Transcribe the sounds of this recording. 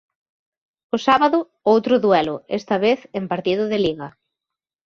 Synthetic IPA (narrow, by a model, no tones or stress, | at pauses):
ʊsaβaðʊ | owt̪ɾʊðwɛlʊest̪ɐβeθempaɾt̪iðʊðeliɣɐ